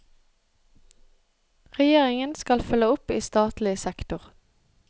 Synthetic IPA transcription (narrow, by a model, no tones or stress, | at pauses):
ʁɛjeːʁɪŋənskɑlfʉləʊpiːst̪ɑːt̪lɪəsɛkt̪ʊʁ